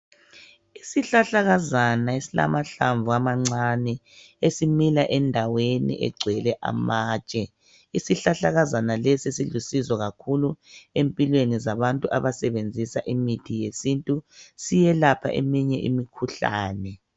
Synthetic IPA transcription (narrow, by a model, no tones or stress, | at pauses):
isiɬaɬaɣazanaesila̰maɬaɱvuamaŋ͡ǀanɛ | esimilaʔɛndʱawenḭʔɛ̰ɡ͡ǀʱwɛlɛʔa̰maːt͡ʃʼɛ | isiɬaɬaɣazanalɛsisilusizɔɣakʰuluempʼilwenizaβantʼuʔaβasɛβend͡zʱisaʔimitʰijesintʼusijɛlapʰa̰ʔḛmiɲɛʔḭmikʰuɬa̰ːnɛ